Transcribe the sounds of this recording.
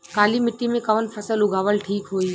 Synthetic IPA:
kaːlimɪʈːimẽkɐʋənpʰɐsəlʊɡʱaːʋəlʈʰiːkɦoːi

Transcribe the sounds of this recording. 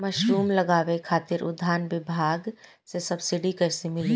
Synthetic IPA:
mɐʃɾuːmlɐɡaːʋekʰaːt̪ɪɾʔʊ̰d̪ʱaːnʋɪbʱaːɡ | sesɐbsɪɖikɛːsemɪli

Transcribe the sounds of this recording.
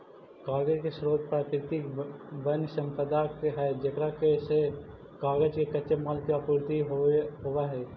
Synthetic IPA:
kaːɡəd͡ʒkeʃɾoːt̪̚pɾaːkɾɪt̪ɪkbənsɐ̃mpəd̪akeɦɛːd͡ʒɐkɾakese | kaːɡəd͡ʒkekɐːʃemaːlt̪jaːpuːɾt̪iɦoʋaɦɛː

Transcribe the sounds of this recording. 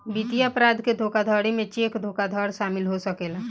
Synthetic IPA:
bit̪iəpɾaːd̪ʱked̪ʱoːkad̪ʱɔːɽemẽt͡ʃeːkd̪ʱoːkad̪ʱɔːɽʃaːmɪlɦosəkeːla

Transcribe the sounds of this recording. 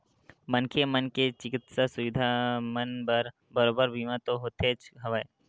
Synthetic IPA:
mənkʰemənket͡ʃɪkɪt̪sasʊʋɪd̪ʱamənbəɾ | bəɾoːbəɾbʱiːmãt̪oɦoːt̪ʰet͡ʃɦɐʋae

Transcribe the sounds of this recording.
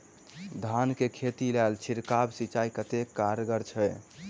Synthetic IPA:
d̪ʱankekʰet̪ilɛlt͡ʃʰiɾkabsit͡ʃaikət̪ekːaɾɡəɾt͡ʃʰɛj

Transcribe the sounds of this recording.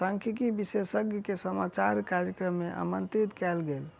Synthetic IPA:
saŋkʰikibisesəɡjəkesəmat͡ʃaɾkaɾjəkɾəmːeʔa̰mənt̪ɾit̪kɛlɡel

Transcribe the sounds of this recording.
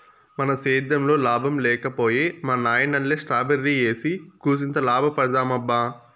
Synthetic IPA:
mɐnɐseːd̪ːɐmlo̞ːlaːbʱɐmlɛːkɐpo̞ːjeːmaːnaːjɐnɐlleːsʈɾaːbeɾːiːeːsikuːs̬int̪ɐlaːbʱɐpɐɽɐd̪aːmɐbːaː

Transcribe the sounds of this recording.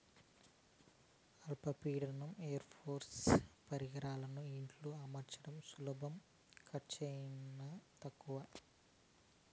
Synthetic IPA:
ɐlpɐpiːɽɐnɐmeːjɐɾpʰoːɾspɐɾiɡɐɾaːlɐnuiɳʈluɐmɐɾt͡ʃɐɽɐmsulɐbɐm | kʰɐt͡ʃɐjnɐt̪ɐkːuʋɐ

